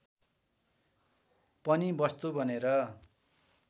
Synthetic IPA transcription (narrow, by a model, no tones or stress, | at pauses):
pʌnibʌst̪ubʱʌneɾʌ